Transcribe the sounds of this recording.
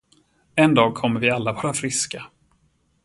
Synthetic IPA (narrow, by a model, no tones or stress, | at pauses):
ɛnd̪ɑːɡ̚kʰɔmːəɾvɪalːavɑːɾafɾɪska